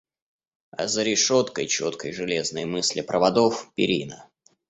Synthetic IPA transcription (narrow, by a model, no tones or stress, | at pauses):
ɐ̰zəɾʲɪʂo̞t̪kəjt͡ɕo̞t̪kəjʐɨlʲe̞znəjmɨsʲlʲɪpɾʔəvɐd̪ofpʲɪ̰ɾʲinə